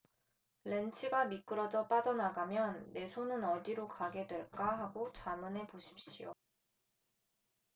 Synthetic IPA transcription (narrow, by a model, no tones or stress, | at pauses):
ɾe̞nt͡ɕʰiɡamik͈ɯɾʌd͡ʑʌp͈ad͡ʑʌnaɡamjʌnːe̞sʰonɯnʌdiɾokaɡe̞dwe̞ɭk͈aɦaɡot͡ɕamɯne̞poɕʰi̥p̚ɕ͈ijo̰